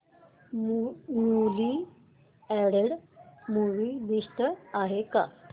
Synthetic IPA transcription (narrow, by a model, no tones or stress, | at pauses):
muli | ɛɽəɽmuʋid̪ist̪əaɦeka̰